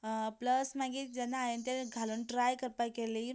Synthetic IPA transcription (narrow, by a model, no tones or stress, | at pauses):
pləsmaɡiːt̪̚d͡ʑanːaːjənt̪eɾɡʱaluːnʈɾajkəɾpajkeli